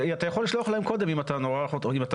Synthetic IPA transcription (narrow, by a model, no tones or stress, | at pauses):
at̪ajaχoliʃloaχlahemko̞d̪e̞mimat̪anoʁaχotoimat̪a